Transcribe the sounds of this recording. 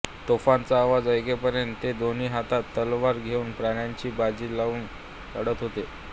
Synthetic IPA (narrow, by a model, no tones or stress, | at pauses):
t̪ofant͡saːʋad͡zəjkepəɾjənt̪ːed̪oniːɦat̪at̪ːəlʋaɾɡʱeuːnpɾaɳjaɲt͡ɕiːbad͡ʑiːlauːn | əɽət̪ɦot̪e